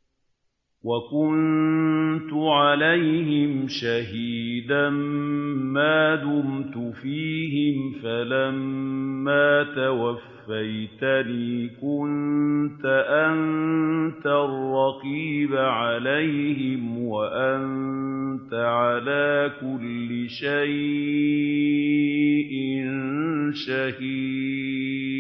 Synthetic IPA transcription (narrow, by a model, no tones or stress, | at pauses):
wakʊn | t̪ʊʕalajhɪmʃaɦiːd̪amː | aːd̪ʊmt̪ʊfiːɦɪmfalamː | aːt̪awafːajt̪aniːkʊnt̪aʔant̪arˤːɑqiːbaʕalajhɪmwaʔant̪aʕalaːkʊlːɪʃaj | ʔɪnʃahiːd